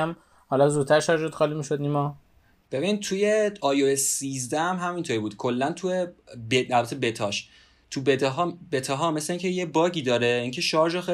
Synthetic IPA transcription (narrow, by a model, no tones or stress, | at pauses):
æm | hɒlɒzuːd̪t̪ʰæɾʃɒɾʒod̪̥xɒːlimiʃod̪nimɒ | b̥e̞bint̪ʰujeɒːjoesːiːzd̪æmɦæmint̪ʰoɾibuːd̪̥kʰo̞lːænt̪ʰuebeælbæt̪ʰebet̪ʰɒʃ | t̪ʰubeɦɒbet̪ʰɒɦɒmesleiŋcʰejebɒːɟiːd̪ɒːɾeiːŋcʰeʃɒːɾd͡ʒɔxe